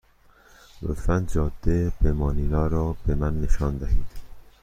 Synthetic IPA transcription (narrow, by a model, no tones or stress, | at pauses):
ɾo̰fænd͡ʒɒːd̪̥ːebemɒːniːnɒːɾɒːb̥emænːeʃɒːnd̪æhiːd̪̥